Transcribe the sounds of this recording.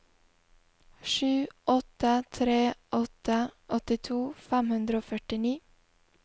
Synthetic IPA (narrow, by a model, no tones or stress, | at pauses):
ʂʉːʔɔt̪ːət̪ʰɾeːʔɔt̪ːəʔɔt̪ɪt̪ʰuːfɛmhʉnd̪ɾəoːfœʈɪniː